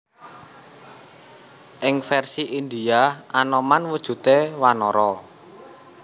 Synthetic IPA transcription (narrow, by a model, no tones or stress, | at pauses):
ʔɪŋfɛrsiʔind̪iaʔanɔmanwud̥ʒ̥ṳt̪ewanɔɾɔ